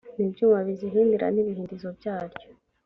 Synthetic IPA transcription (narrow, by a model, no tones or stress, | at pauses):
nibɟuːmaβiziɦiːndiɾa̰niβihiːndizo̞bjaːɾɟo̥